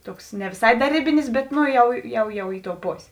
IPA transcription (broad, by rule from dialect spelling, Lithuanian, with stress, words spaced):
ˈtuɔks nʲɛ ʋʲɪˈsɐɪ dɐ ˈrʲeːbʲɪnʲɪs bʲɛt ˈnoː ˈjɛʊ jɛʊ ˈjɛʊ ˈɪ ˌtoːʊ ˈpoːsʲeː